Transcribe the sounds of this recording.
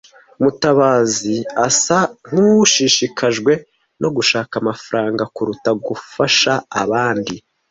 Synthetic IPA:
umutaβaːziasaŋ̥uʃiʃikʰaʒɡwe̞ | no̞ɡuʃaːkamafaɾaːŋɡakuɾutaɡufaʃaːβaːndi

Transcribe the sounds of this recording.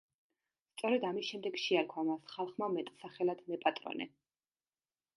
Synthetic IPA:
st̪sʼɔɾɛd̪amisʃɛmd̪ɛɡʃɛaɾkʰwamasχalˠχmamɛt̪ʼsaχɛlad̪mɛpʼat̪ʼɾɔ̰nɛ̰

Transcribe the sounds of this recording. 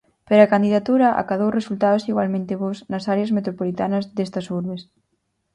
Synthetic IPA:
peɾakand̪iðat̪uɾɐʔa̰kað̞owresult̪aðosiɣwalmẽnt̪eβoznɐsaɾeɐsmet̪ɾopolit̪anɐzðest̪ɐsuɾβes

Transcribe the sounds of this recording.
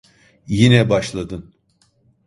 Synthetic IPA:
jinɛbaʃlˠad̪ɯn

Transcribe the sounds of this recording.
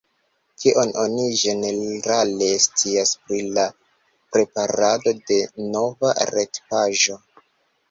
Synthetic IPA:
kʰiʔo̞nʔo̞niʒe̞ne̞ɾale̞stiaspɾila | pɾe̞paɾado̞de̞no̞vaɾe̞tpaʒo̞

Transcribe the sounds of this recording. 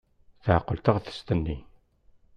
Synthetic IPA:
θəʕqːəlt̪əʁθə̥st̪ənːi

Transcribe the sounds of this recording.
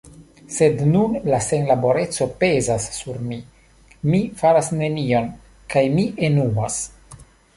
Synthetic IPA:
se̞dnunlase̞nlabo̞ɾe̞t͡so̞pe̞zasːuɾmi | mifaɾasne̞nio̞n | kajmiʔe̞nuas

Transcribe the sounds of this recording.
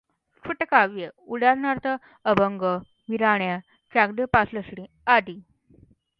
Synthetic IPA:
sʰuʈəkaʋjəuɽaɾnaɾt̪ə | əbəŋɡə | ʋiɾaɳja | t͡ɕaɡd̪əpasləsɽi | ad̪i

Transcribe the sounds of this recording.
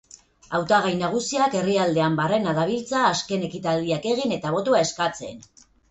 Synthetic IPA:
awt̪aɣ̞ajnaɣ̞usiake̞riald̪e̞ambare̞naðaβ̞ilt͡saːske̞ne̞kit̪ald̪iake̞ɣine̞t̪aβ̞o̞t̪uae̞skat͡se̞n

